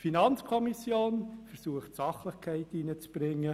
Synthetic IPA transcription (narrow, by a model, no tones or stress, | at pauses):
finɑnt͡skʰɔmisjoːnfəɾsuəχtsɑχləχkʰæɪtinət͡sb̥ɾɪŋːə